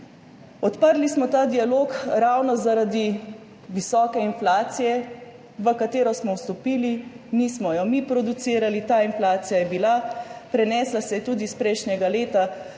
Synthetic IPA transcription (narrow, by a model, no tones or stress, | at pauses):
ɔt̪pəɾlismɔt̪aːd̪ialoːkɾawnɔzaɾad̪i | ʋisɔːkɛinflaːt̪sijɛ | ʋəkat̪eːɾɔsmɔwst̪ɔpiːli | mismɔjɔmipɾɔd̪ut̪siːɾalit̪aːinflaːt̪sijajɛbilapɾɛnɛːslasɛjɛt̪uːd̪ispɾɛjʃnjɛɡaleːt̪a